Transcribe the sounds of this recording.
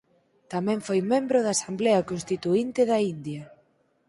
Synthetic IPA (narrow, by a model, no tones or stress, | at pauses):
t̪amɛ̃ɱfojmẽmbɾoðaːsambleakonst̪it̪uint̪ɪðaind̪jɐ